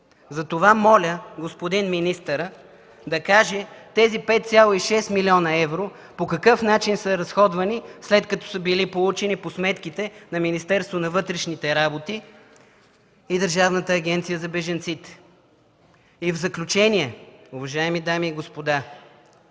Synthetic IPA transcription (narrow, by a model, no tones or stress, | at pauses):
zɐt̪ovamɔlʲəɡospod̪inminist̪əɾə | d̪ɐkaʒɛt̪ɛzipɛt̪̚t̪sʲjalˠoiʃɛst̪milʲiɔnɐɛvɾo | pokɐkɤfnat͡ʃinsəɾɐsxɔd̪vɐnislɛt̪kɐt̪ɔ̥səbilipolˠut͡ʃɛniposmɛt̪k̟it̪ɛnɐminist̪ɛɾst̪vonɐvɤt̪ɾɛʃnit̪ɛɾabot̪i | id̪əɾʒavnət̪əːɡ̟ʲɛnt̪sijəzɐbɛʒɐnt̪sit̪ɛ̥ | ivzɐklʲut͡ʃɛniɛʊvɐʒaɛmid̪amiːɡospod̪a